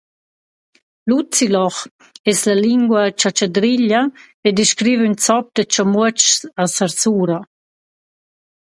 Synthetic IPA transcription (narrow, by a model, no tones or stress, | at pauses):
lut͡silɔχ | ɛslaliŋɡwat͡ʃat͡ʃadɾiʎa | ediʃkɾiːvynt͡sɔp̚d̪ət͡ʃɔmuət͡ʃasaɾsuːɾa